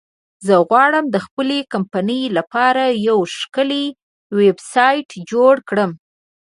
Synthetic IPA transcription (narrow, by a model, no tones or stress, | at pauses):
zəɣwɑɽəmd̪əxpəlekampanəjlapɑɾajawʃkəle | websɑjʈd͡ʒoɽkɽəm